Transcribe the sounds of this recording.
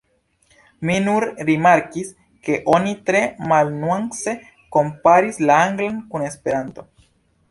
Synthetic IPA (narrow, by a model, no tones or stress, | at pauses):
minuɾɾimaɾkis | ke̞ʔonit̪ɾe̞malnuwaŋse̞ | ko̞mpaɾislaaŋɡlankune̞spe̞ɾant̪o̞